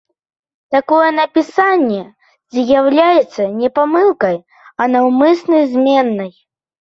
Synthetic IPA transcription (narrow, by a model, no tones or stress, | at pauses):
t̪akɔjɛnɐpʲisanʲːɛ | d͡zʲjawlʲajɛt̪sːɐnʲɛpamɨlˠkɐj | ɐnawmɨsnɐjzʲmʲɛnːɐj